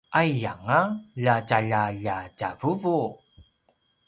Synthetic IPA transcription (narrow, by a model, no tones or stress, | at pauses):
ʔajjaŋaʎacaʎaʎaɟavuvu